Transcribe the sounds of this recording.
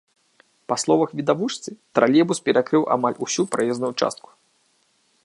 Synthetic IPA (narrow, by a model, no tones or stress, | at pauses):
paslˠɔvɐxvʲid̪avuʂt̪sɨt̪ɾalʲɛbuspʲɛɾakɾɨwʔa̰malʲusʲupɾajɛznujut͡ʂa̰st̪̚ku̥